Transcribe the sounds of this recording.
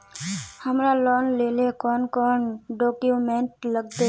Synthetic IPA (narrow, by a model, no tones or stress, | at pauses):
həmɾaloːnleːlekɔːnkɔːnɖɔːkjumẽːɳʈləɡd̪e